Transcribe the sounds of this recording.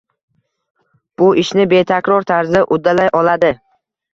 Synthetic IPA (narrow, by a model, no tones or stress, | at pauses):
b̥ʊʔɪʃnɪbe̞t̪ʰakʲɾɒɾt̪ʰaɾzɪʔʊd̪ːalajʔɒlad̪ɪ